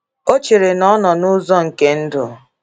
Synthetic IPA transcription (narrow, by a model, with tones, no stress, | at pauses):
o˦t͡ʃe˨ɾe˨nɔ˦nɔ˨nʊ˦zɔ˦ŋ̩˨ke˦n̩˦dʊ̰˨